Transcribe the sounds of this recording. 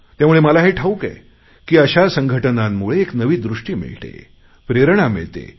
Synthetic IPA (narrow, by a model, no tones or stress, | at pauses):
t̪jamuɭeməlaɦeʈʰaukḛ | kiːəɕasəŋɡʱəʈənamːuɭeːknəʋiːd̪ɾuʂʈiːmḭɭʈ̪ḛ | pɾeɾɳamḭɭt̪ḛ